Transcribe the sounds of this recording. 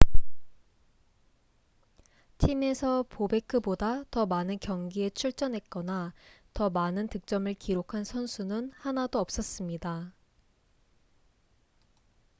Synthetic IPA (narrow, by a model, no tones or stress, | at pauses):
tʰime̞sʰʌpobe̞kʰɯbodatʌmanɯnkjʌŋɡie̞t͡ɕʰuɭt͡ɕ͈ʌnɦe̞t̚k͈ʌnatʌmanɯntɯk̚t͡ɕ͈ʌmɯɭkiɾokʰansʰʌnsʰunɯnhanadoʌp̚s͈ʌs͈ɯmɲida